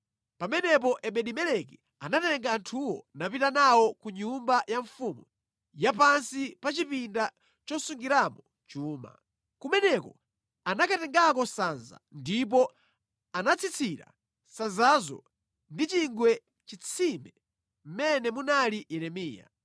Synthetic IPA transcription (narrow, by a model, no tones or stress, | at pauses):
pamɛnɛp̬ɔʔɛɓɛɗimɛlɛk̬ɛ | anatɛŋɡaːntʰuwɔnapitanawɔkuɲumbajaɱfumu | japansipat͡ʃipinda | t͡ʃɔsuŋɡiɾamɔ | t͡ʃuːma̰ | kumɛnɛkɔ | anakatɛŋɡakɔsanza̰ndip̬ɔ | anat͡sʰit͡sʰiɾa̰ | sanzazɔ̰ | ndit͡ʃiŋɡwɛ | t͡ʃit͡sʰimɛ | m̩mɛnɛmunalijɛɾɛmiːja̰